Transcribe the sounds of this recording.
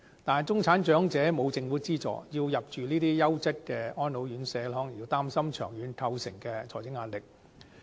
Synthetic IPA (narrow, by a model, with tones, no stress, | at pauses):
t̪aː˨nt͡sʊ˥ŋt͡sʰaː˨˥nt͡ʃœː˨˥ŋt͡sɛː˨˥mo˨˧wt͡sɪ˧ŋfuː˨˥t͡siː˥t͡sɔ̰ː˨˥jiː˧wjɐ˨p̚t͡ʃyː˨niː˥t̪iː˥jɐ˥wt͡sɐ˥t̚kɛː˧ɔː˥nno˨˧wjyː˨˧˥nsɛː˨˧lɔː˨˧˥ŋjiː˨˧˩wt̪aː˥msɐ˥mt͡ʃʰœ̰ː˨˩ŋjyː˨˧nt̪ʰɐ˧wsɪ̰˨˩ŋkɛː˧t͡sʰɔ̰ː˨˩jt͡sɪ˨˥ŋːaː˧t̚lɪ˨k̚